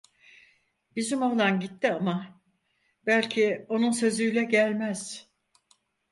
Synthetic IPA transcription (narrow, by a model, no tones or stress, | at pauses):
b̥izimolˠanɟit̪ːiama | b̥ælʲcʰio̞nunsø̞zyjlʲɛɟælʲmæz̥